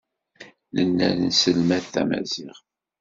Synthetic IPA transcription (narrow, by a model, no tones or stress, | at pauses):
nənːæ̰lnsəlmæθθæmæ̰ziʁ